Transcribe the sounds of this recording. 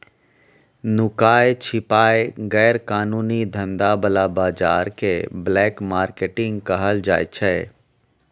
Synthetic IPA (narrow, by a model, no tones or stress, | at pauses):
nʊkaːjt͡ʃʰɪpaːeɡɛːɾkaːnuːnid̪ʱə̃nd̪abəlabaːd͡ʒaːɾkeblɛːkmaːɾkeʈɪ̃ŋɡkəɦəld͡ʒa̰ːt͡ʃʰɛ